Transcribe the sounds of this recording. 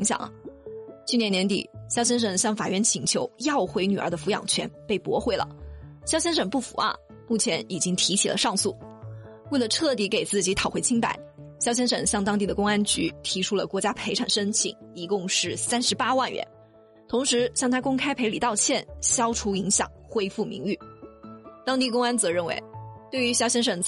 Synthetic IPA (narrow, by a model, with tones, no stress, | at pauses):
i˧˥ŋɕjɑ̰˨˩˦ŋ | t͡ɕʰy˥˩njɛ˧˥njɛ˧˥nt̪ḭ˨˩ɕjɑ˥ʊɕ̬jɛ˥nʂ̬ə˨˩ŋɕjɑ˥˩ŋfa̰˨˩ɥɛ˥˩nt͡ɕʰi˧˥ŋt͡ɕʰjo˧˥ʊjɑ˥˩ʊxwe˧˥ɪny˨˩ʔə̰˞˧˥d̪ə˧fu˧˥jɑ̰˨˩ŋt͡ɕʰɥɛ˧˥npe˥˩ɪpwɔ˧˥xwe˥˩ɪlə̰˩ɕjɑ˥ʊɕjɛ˥nʂə˨˩ŋpu˥˩fṵ˨˧˥a̰˥˧˩ | mu˥˩t͡ɕʰjɛ˧˥ni˨˩t͡ɕi˥ŋt̪ʰi˧˥t͡ɕʰi˨˩lʔə̰˦ʂɑ˥˧ŋsu˥˩ | we˥˩lə˩ʈ͡ʂʰɤ˥˩t̪̬i˧˥ke˨˩ɪt͡sɹ̩˥˩t͡ɕi˧˥t̪ʰɑ˨˩ʊxwe˧˥ɪt͡ɕʰi˥ŋpa̰˨˩˦ɪɕjɑ˥ʊɕjɛ˥nʂɤ̰˨˩ŋɕjɑ˥˩ŋt̪ɑ˥ŋt̪i˥˩d̪ə˩kʊ˥ŋa˥nt͡ɕy˧˥t̪ʰi˧˥ʈ͡ʂʰu˥lə˨kwɔ˧˥t͡ɕja˥pʰe˧˥ɪʈ͡ʂʰa˨˩nʂə˥nt͡ɕʰḭ˨˩˦ŋi˧˥kʊ˥˧ŋʂɻ̩˥˩sa˥nʂɻ̩˧˥pa˥wa˥˩nɥɛ̰˧˥n | t̪ʰʊ˧˥ŋʂɻ̩˧˥ɕjɑ˥˩ŋt̪ʰa˥kʊ˥ŋkʰa˥ɪpʰe˧˥ɪli˨˩t̪ɑ˥˧ʊt͡ɕʰjɛ˥˩nɕjɑ˥ʊʈ͡ʂʰu˧˥i˧˥ŋɕjɑ̰˨˩˦ŋxwe˥ɪfu˥˩mḭ˧˥ŋy˥˩ | t̪ɑ˥ŋt̪i˥˩kʊ˥ŋa˥nt͡sɤ˧˥ɻə˥˩nwḛ˧˥ɪt̪we˥˩ɪy˧˥ɕjɑ˥ʊɕjɛ˥nʂə˨˩ŋ